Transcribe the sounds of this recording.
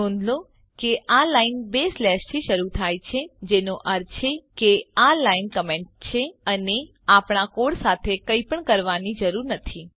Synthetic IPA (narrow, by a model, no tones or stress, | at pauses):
õnd̪lo | keʔalainbeslɛʃt̪ʰiʃəɾut̪ʰajt͡ʃʰed͡ʒenoʔəɾt͡ʃʰekealainkəmẽɳʈ̚t͡ʃʰeəne | apɳakoɽsat̪ʰekəipəɳkəɾʋanid͡ʒəɾuɾnət̪ʰi